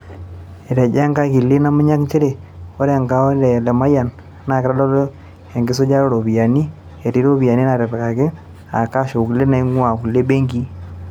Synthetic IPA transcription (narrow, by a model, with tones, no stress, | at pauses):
e˨ɾe˨d͡ʒa˦ŋɡa˦ɣi˨le˦na˦mu˦ɲa˦kt͡ʃe˦ɾe˨o˦ɾe˨ŋɡa˦o˦ɾe˨le˨ma˦ja˨n | na˨ke˦ɾa˦lo˦lo˦ | e˨ŋɡe˦so˦d͡ʒa˦ɾo˦ɾo˨βja˨ni˦ | e˨ɾi˦ɾo˦βi˨a˨ni˦na˨ɾe˨βɣa˨ke˦ | a̰˨ka˦ʃo˨ku˨le˦na˨i˦ŋwa˨ku˨le˦be˦ŋɡi˦